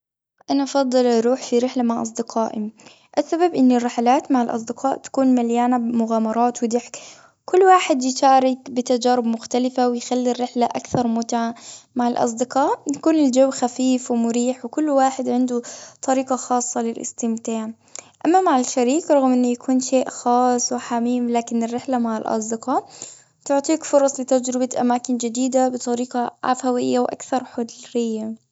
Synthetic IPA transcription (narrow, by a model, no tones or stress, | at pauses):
ʔanaʔɑfɑd̪ˤːɑlʔɑɾˤuːħfiɾɪħlamaʕʔɑsˤd̪ɪqʰɑːʔɪ | ʔasːababʔɪnːɪrːɪħalaːt̪maʕalʔɑ̰s̬ˤd̪ɪqɑːʔt̪ḁkuːnmaljaːnabmʊɣaːmɑɾˤɑːt̪wɪd̪ɪħk | kʊlːwaːħɪd̪jɪʃaːɾɪkbɪt̪ad͡ʒaːɾɪbmʊxt̪alɪfawɪjxalːirːɪħlaʔakθɑɾˤmʊt̪aʕamaʕalʔɑ̰s̬ˤd̪ɪqɑːʔjakuːnɪld͡ʒawːxafiːfwɪmʊɾiːħwɪkʊlːwaːħɪd̪ʕɪnd̪ut̪ˤɑɾiːqɑxɑːsˤːɑlɪlʔɪ̰st̪ɪmt̪aːʕ | ʔamːamaʕalʃaɾiːqɾˤɑɣmʔɪnːʊjakʰuːnʃeːʔxɑːsˤwɪħamiːmlaːkɪnɪrːɪħlamaʕɪlʔɑ̰sˤd̪ɪqɑ | t̪ʊʕt̪ˤiːkfʊɾˤɑsˤlɪt̪ad͡ʒɾɪbaʔa̰maːkɪnd͡ʒɪd̪iːd̪abɨt̪ˤɑɾiːqɑʕa̰fawɪjːawʔa̰kθɑɾˤħʊd̪ɾɪjːa